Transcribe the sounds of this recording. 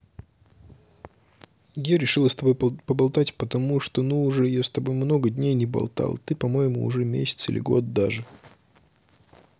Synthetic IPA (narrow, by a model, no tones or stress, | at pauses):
jaɾʲɪʂɨlˠəst̪ɐbo̞jpəbɐlˠt̪atʲpət̪ɐmuʂt̪o̞nuːʐɛjast̪ɐbo̞jmno̞ɡədʲnʲejnʲɪbɐ̰lˠt̪a̰lˠt̪ɨpɐmo̞jɪmʊʊ̰ʐɛmʲesʲɪt̪sɨ̰lʲɪ̰ɡo̞̰t̪̚d̪aʐɨ